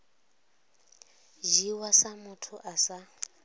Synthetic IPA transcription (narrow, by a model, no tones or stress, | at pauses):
ʒiwasamʊtʰʊʔasa